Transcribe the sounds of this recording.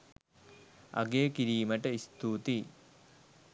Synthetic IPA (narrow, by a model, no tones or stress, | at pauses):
ɐ̰ɡeːkiɾiːməʈəist̪uːt̪i